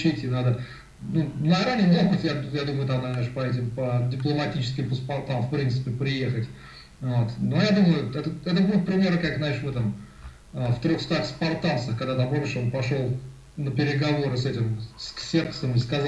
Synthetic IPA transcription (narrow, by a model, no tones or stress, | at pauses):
t͡ɕetʲinad̪ə | nunɐɾanʲɪmlˠoxətʲjajad̪uməjʊt̪amnaznaʂpɐɛt̬ʲɪmpədʲɪplˠəmɐtʲit͡ɕɪ̥skʲɪmpəspɐrt̪ːamfpɾʲint̪sɨ̥pʲɪpɾʲɪje̞xətʲ | vo̞t̪nojad̪uməjʊɛt̪əɛt̪əbuɪt̪̚pɾʲɪmʲe̞ɾəkakznaeʂvɨt̪am | əft̪ɾʲo̞xst̪axspɐrt̪ansəxkɐɡd̪at̪ambomʲɪʂonpɐʂolˠ | nəpʲɪɾʲɪɡɐvo̞ɾɨsɛtʲɪmsksʲeksəmɪskɐz